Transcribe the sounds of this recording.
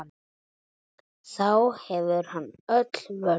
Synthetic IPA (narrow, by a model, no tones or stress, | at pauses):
n | θawhɛvʏɾ̥hanːœt̪l̥vœ